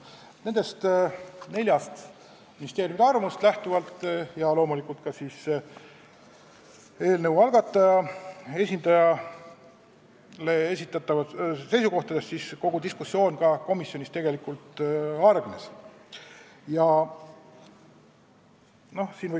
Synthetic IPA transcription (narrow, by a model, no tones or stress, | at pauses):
ne̞nd̪̥e̞st̪ne̞lʲjɑst̪ | minist̪eːɾjumid̪eɑrmust̪læht̪uvɑlt̪ːˑjɑlo̞ːmulikˑult̪kɑsiːs | e̞ːlnəwɑlɡɑt̪ːˑɑjɑe̞sʲind̪̥ɑjɑ | le̞esʲit̪ːˑɑt̪ːˑɑvɑse̞jsuko̞ht̪ɑd̪̥e̞st̪sisko̞ɡ̥ud̪iskusːjo̞ːnkɑko̞misːjo̞nist̪e̞ɡe̞likult̪ˑɑrɡ̥nes | jɑ | no̞hsiːnvɤ